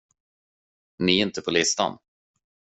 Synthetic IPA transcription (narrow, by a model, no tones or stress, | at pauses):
nɪɪnt̪əpʰɔlɪst̪a̰n